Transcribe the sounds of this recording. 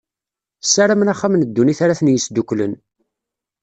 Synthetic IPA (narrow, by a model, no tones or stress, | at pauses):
sːaɾamnaχːamnəd̪ːuniθaɾaθənjəsd̪ukʷlən